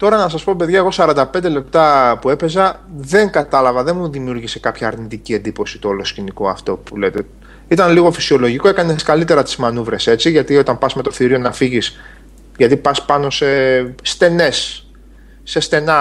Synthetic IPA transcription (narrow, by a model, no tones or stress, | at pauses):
t̪o̞ɾɐnɐs̬ɐspo̞pe̞ðʝɐeɣo̞sɐɾɐnd̪ɐpe̞nd̪e̞le̞p̚t̪ɐpue̞pe̞zɐðe̞ŋɡɐt̪ɐlɐvɐðenmuðimiuɾʝise̞kɐpçɐːɾnit̪icie̞nd̪ipo̞sit̪oolo̞sciniko̞ɐft̪o̞pulet̪e | it̪ɐnliɣo̞fi̥sio̞lo̞ʝiko̞ekɐne̞skɐlit̪e̞ɾɐt̪i̥zmɐnuvɾe̞se̞t͡siʝɐt̪iot̪ɐmpɐsme̞t̪o̞θiɾio̞nɐfiʝis | ʝɐt̪ipɐspɐno̞se̞st̪e̞ne̞sː | e̞st̪e̞nɐ